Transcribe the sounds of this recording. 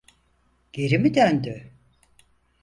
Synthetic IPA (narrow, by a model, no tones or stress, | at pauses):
ɟ̥eɾimid̪ønd̪y